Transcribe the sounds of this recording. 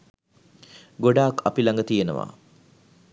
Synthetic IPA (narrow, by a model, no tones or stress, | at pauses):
ɡoɖaːkapilaŋɡət̪ijenə̰ʋa̰ː